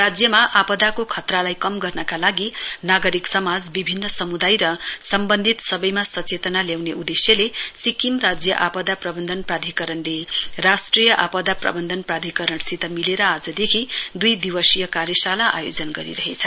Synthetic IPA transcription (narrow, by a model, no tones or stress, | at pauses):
rad͡zjʌmaʔapʌd̪akokʰʌt̪ralajkʌmɡʌrnʌkalaɡinaɡʌɾiksʌmad͡zbibʱinːʌsʌmud̪ajɾʌsʌmbʌnd̪ʱit̪sʌbʌjmasʌt͡set̪ʌnaljawneud̪esjʌlesikimrad͡zjʌʔapʌd̪aprʌbʌnd̪ʱʌnprad̪ʱikʌɾʌnlerasʈrijʌʔa̰pʌd̪aprʌ̰bʌnd̪ʱʌnprad̪ʱikʌɾʌɳsit̪ʌmileɾʌad͡zʌd̪ekʰid̪ujd̪iwʌsijʌkaɾjʌsalaʔa̰jod͡zʌnɡʌɾḭɾʌɦet͡sʰʌ